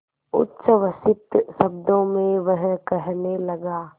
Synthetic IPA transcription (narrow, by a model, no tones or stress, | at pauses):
ʊ̰tːʃəʋəsɪt̪sɐbd̪õmẽʋɐɦkɛɦnelɐɡaː